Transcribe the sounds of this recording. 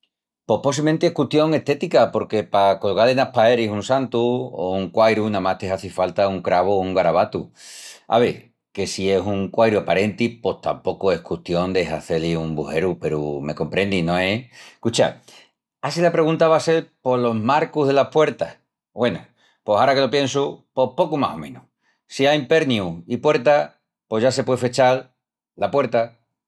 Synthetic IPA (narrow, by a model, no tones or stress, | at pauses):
po̞hpos̬iment̪eehkut̪jo̞ŋe̞ht̪e̞t̪ikapo̞ɾke̞pakolɣalenapaeɾisunsant̪uo̰uŋkwajɾunãmaht̪eɦaθifalt̪auŋkɾaβ̞ouŋɡaɾaβat̪ua̰β̞e | ke̞sie̞suŋkwajɾuapaɾe̞nt̪ipo̞ht̪a̰mpo̞koe̞hkut̪jo̞nd̪e̞ɦa̰θe̞liumbuhe̞ɾupe̞ɾṵme̞̰ko̞mpɾe̞nd̪inõ̞ehkut͡ʃa̰ | asilapɾe̞ɣ̞unt̪aβase̞ɾpo̞lo̞maɾkuɦðe̞lahpwe̞ɾt̪ah | bwe̞nu | po̞saɾake̞lo̞pje̞nsupo̞hpo̞kumaho̞̰mẽ̞nu | siajmpe̞ɾniuipwe̞ɾt̪a | po̞ʝase̞pwefet͡ʃal | lapwe̞ɾt̪a